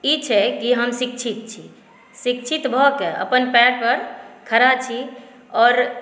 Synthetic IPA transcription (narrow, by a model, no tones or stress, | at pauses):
it͡ʃʰɛkiɦəmsik̚t͡ʃʰit̪̚t͡ʃʰi | sik̚t͡ʃʰit̪bʱɔkeə̰pənpɛɽpəɾkʰəɾat͡ʃʰi | ɔːɾ